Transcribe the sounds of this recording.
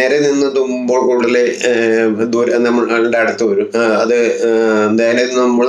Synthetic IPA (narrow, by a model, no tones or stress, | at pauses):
eːɾeninːɨt̪umboːɭkuːɽile | d̪uːɾnːɐmːɐɭɐɭiɖeɐɽɐt̪ːɨʋɐɾumɐðɨend̪aːjɐleninːɐmːuɭ